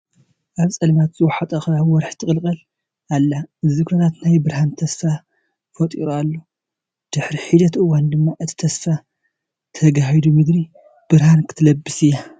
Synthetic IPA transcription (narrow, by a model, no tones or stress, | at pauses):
ʔaβt͡sʼɐlmat̪z̥ɨwɔħat̪ʼɐxawɔɾħt̪ʰɨkʼɨlkʼɐl | alːaɨzikʰonat̪najbɨɾhant̪ʰɐsfa | fɐt̪ʼḭɾualːo | d̪̥ɨħɾiħid̪ɐt̪ɨwand̪ɨmːaʔɨt̪ʰi̥t̪ʰɐsfa | t̪ʰɐɡaɦid̪umɨd̪ɾi | b̥ɨɾhankʰɨ̥t̪ʰɨlɐbːɨsɨja